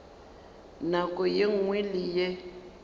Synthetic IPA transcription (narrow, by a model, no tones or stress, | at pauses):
nakʼɔjeŋ̩ŋwelije